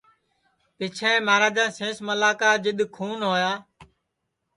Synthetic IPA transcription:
pɪt͡ʃʰɛ̃ːmaːɾaːd͡ʒãːsẽːsməlaːkaːd͡ʒɪɗ̪kʰuːnɦoːjaː

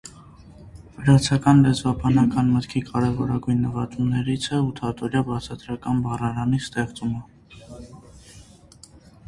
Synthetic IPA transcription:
vəɾɑt͡sʰɑkɑnlɛd͡zvɑbɑnɑkɑnmət̪kʰikʰɑɾɛvɔɾɑɡujnːəvɑt̪umnɛɾit͡sʰɛut̪ʰɑt̪ʰɔɾjɑbɑt͡sʰɑt̪ɾɑkɑnbɑrɑɾɑnist̪ɛχt͡sumə

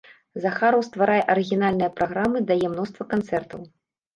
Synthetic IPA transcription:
zɐxaɾɐwst̪vaɾʔajɛʔɐɾɨɣʲinalʲnɨjɐpɾʔaɣɾamɨd̪ajɛmnɔst̪vɐkant̪sɛrt̪ɐw

